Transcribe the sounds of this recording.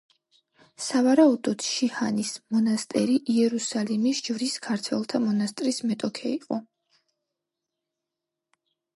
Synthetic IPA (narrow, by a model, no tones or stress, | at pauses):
savaɾaud̪ɔd̪̥ʃihanismɔnast̪ʼɛɾiʔiɛɾusalimisd͡ʒvɾiskʰaɾt̪ʰwɛlˠt̪ʰamɔnast̪ʼɾismɛt̪ʼɔkʰɛiqʼɔ